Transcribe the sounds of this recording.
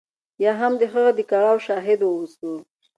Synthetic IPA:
jɑɦamd̪əxəɣad̪əkaɾawʃɑɦɪd̪wəwuso

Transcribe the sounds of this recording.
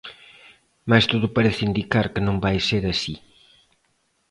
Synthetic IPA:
mast̪oðʊpɐɾeθɪind̪ikaɾkɪnõŋbajseɾɐsi

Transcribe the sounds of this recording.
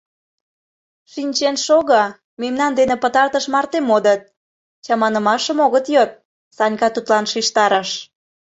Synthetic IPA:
ʃinʲt͡ɕenʃoɣɑ | memnɑnd̪enĕpət̪ɑrt̪əʃmɑrt̪emod̪ət̪̚ | t͡ɕɑmɑnə̆mɑʃəmoɣət̪jot̪̚ | sɑnʲkɑt̪ut̪lɑnʃiʃt̪ɑɾəʃ

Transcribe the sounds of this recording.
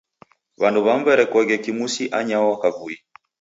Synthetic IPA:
βanduβamvɛɾɛkɔɣɛkimusiʔaɲawɔakavui

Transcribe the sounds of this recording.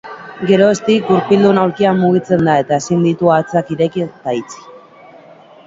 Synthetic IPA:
ɡe̞ɾo̞est̪ikɡuɾpild̪unawɾkiamːuɣ̞it͡se̞nd̪ae̞t̪aesind̪it̪uat͡sakiɾe̞kit̪ait͡si̥

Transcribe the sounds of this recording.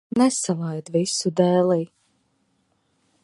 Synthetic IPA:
nɛsalˠajd̪visud̪ɛːlˠiː

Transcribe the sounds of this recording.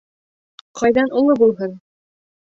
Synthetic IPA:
qʰɑjðɑnulˠɤbulˠɦɤn

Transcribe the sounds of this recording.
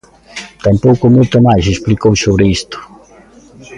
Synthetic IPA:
t̪ɐ̃mpowkʊmojt̪ʊmajsesplikowsoβɾɪist̪ʊ̥

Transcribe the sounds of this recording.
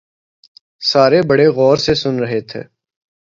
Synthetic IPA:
saːɾebəɽeɣɔːɾsesʊnɾəɦet̪ʰḛː

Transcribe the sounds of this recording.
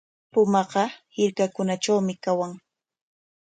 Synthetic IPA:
pʊmɑqɑhɪɾkakʊnat͡ʃawmɪkawaŋ

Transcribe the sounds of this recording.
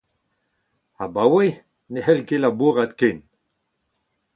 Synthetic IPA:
abawej | nehɛlkelabuʁat̪ken

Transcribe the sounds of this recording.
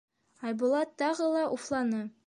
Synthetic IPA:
ɑjbulˠɑt̪ːɑʁɤlˠɑʔuflˠɑnɤ

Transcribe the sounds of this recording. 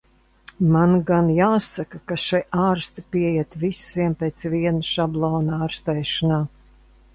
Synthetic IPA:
manɡanjaːsakakaʃajʔaːɾst̪ipiɛjɛt̪visiɛmpeːt̪sviɛnaʃablˠɔːnaːɾst̪ɛːʃanaː

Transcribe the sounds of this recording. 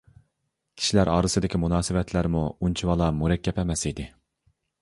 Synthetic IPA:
kʲʰi̥ʃilæɾɑ̰ːɾɨsɨd̪ɪkʲʰimunɑːsɨvɛt̪ʰlæɾmuunt͡ʃʰiwɑlˠɑmuɾɛkʲːɛpɛmɛsid̪ɪ

